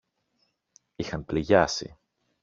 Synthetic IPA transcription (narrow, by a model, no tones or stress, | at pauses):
ixɐnpliʝɐsḭ